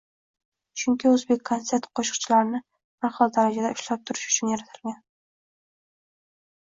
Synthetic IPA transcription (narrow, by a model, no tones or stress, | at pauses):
t͡ʃʰʊŋkʲɪɵzbekʲʰːont̪se̞ɾt̪qʰɒʃɨ̥q̚t͡ʃʰɪlaɾnɪ | baɾhɒlˠd̪aɾad͡ʒad̪aʊʃlap̚t̪ʰʊɾɪʃʊ̥t͡ʃʰʊnjaɾat̪ʰɪ̥lɡʲan